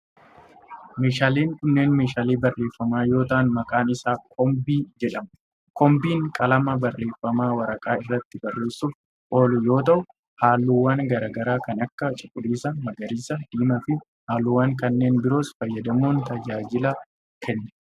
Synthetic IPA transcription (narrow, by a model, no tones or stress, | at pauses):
meːʃaːleːnkʊnːeːnmeːʃaːliːbɐrːe̞ːfːɐmaːjo̞ːt̪ɐʔnmɐkʼaːnɪsaːkʰɔmbiːd͡ʒɛᶑɐmʊ | kɔmbiːŋkʼɐlɐmɐbɐrːe̞ːfːɐmaːwɐɾɐkʼaːɪrːɐt̪ːɪbɐrːe̞ːsːuːf | ʔo̞ːlʊjo̞ːt̪ɐʔʊ | haːlːuwaːŋɡɐɾaːɡɐɾaːkɐnɐkːɐt͡ʃʼɪkʼʊliːsɐmɐɡɐɾiːsɐd̪̥iːmɐfɪ | haːlːuwaːŋkɐnːe̞ːnbɪɾo̞ːsfɐjːɐd̪ɐmuːnt̪ɐd͡ʒaːd͡ʒɪla | kʰɛnːɐ̥